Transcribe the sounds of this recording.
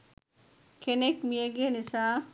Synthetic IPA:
kenekmijəɡienisaː

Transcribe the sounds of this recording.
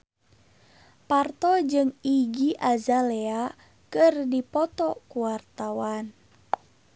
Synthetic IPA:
part̪ɔd͡ʒɨŋiɡiʔazalɛa | kɨrdipɔt̪ɔkuwart̪awan

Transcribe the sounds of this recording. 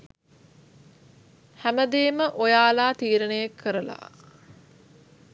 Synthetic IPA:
hæməd̪eːməʔojaːlaːt̪iːɾənejakʰːəɾəla̰

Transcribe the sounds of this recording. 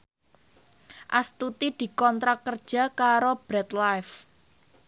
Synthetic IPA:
ʔast̪ut̪id̪̥i̤kɔnt̪ɾakːərd̥ʒ̥a̤kaɾob̥ɾɛt̪laf

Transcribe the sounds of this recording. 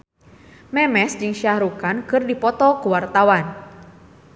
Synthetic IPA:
mɛmɛsd͡ʒɨŋʃiahɾukankɨrdipɔt̪ɔkuwart̪awan

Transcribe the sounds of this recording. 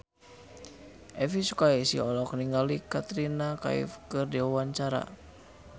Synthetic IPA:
ʔɛfisukaisḭɔlɔkəniŋɡalikat̪ɾinaka̰ḭfkɨrdiwawaɲt͡ʃaɾa̰

